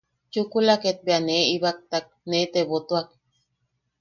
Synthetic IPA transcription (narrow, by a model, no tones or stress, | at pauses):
t͡ʃukulaket̪̚beaneiβak̚t̪ak̚net̪eβot̪uak̚